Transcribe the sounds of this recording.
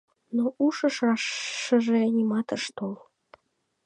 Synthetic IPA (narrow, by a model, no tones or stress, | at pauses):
noʔuʃəʃɑʃːəʒenʲimɑt̪əʃt̪ol